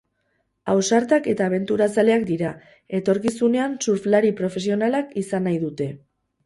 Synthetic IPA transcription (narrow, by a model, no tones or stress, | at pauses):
awsaɾt̪ake̞t̪aːβ̞e̞nt̪uɾat͡sale̞akd̪iɾa | e̞t̪o̞ɾkisune̞ansuɾflaɾipɾo̞fe̞sio̞nalakisanajðut̪e̞